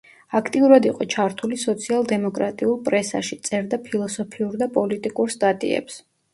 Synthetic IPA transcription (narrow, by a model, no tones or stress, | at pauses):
akʰt̪ʼiuɾad̪iqʼɔt͡ʃʰaɾt̪ʰulisɔt̪sʰialˠd̪ɛmɔkʼɾat̪ʼiulˠpʼɾɛsa̰ʃit̪sʼɛɾd̪apʰilˠɔsɔpʰiuɾd̪apʼɔlit̪ʼikʼuɾst̪ʼat̪ʼḭɛ̰ps